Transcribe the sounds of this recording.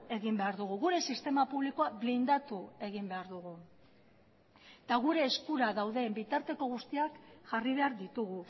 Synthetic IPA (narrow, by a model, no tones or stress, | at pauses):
e̞ɣimbe̞aɾðuɣ̞uɣuɾe̞sist̪e̞mapuβliko̞aβlind̪at̪ue̞ɣ̞imbe̞aɾðuɣu | t̪aɣ̞uɾe̞ːskuɾaðawðe̞mbit̪aɾt̪e̞ko̞ɣ̞ust̪iakʝariβ̞e̞aɾðit̪uɣu